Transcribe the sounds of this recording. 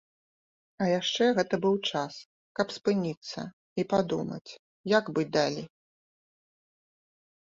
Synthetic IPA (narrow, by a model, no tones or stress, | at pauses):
ɐjaʂt͡ʂɛɣɛt̪ɐbɨwt͡ʂas | kɐpspɨnʲit̪sːɐ̰ | ipad̪umɐ̰t͡sʲ | jaɡbɨd̪alʲi